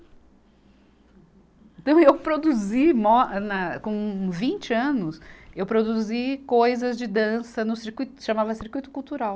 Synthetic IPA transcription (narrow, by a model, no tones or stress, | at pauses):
ẽnt̪ɐ̃w̃ewpɾod̪uzimɔnɐkõvĩnt͡ʃɪɐ̃nʊsewpɾod̪uuzikojzɐzd͡ʒɪd̪ɐ̃sɐnʊsiɾkuijt̪ʊ̥ʃamavɐsiɾkujt̪ʊ̥kuwt̪uɾaw